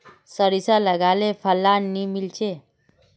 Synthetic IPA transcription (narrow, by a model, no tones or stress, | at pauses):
səɾisaləɡalefʰəlːanːimilt͡ɕe